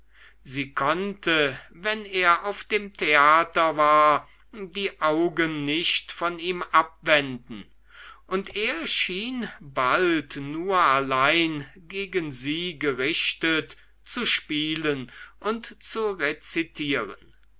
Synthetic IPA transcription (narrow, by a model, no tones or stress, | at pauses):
ziːkʰɔntəvɛneːɐʔaʊfd̥eːmtʰeaːtɐvaːɐ | diːʔaʊɡənːɪçtfɔniːmʔap̚vɛndn̩ | ʔʊnteːɐʃiːnbaltnuːɐalaɪnɡeːɡənziːɡəʁɪɕtət | t͡suʃpiːlənʔʊntt͡suʁet͡sitʰiːʁə̰n